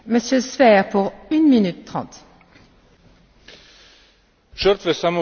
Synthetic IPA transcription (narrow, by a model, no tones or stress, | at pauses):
məsjøsvɛʁpuʁynminyt̪ːχɑ̰̃ːt̪ | ʃœɾt̪vesam